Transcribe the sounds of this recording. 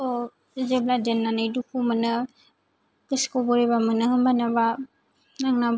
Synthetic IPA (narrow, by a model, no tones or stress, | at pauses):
ɔ | zebladenːanɯjdukʰumɯnɯ | kiskɔbɔɾibamɯnɯhɯmbanaba | naŋnab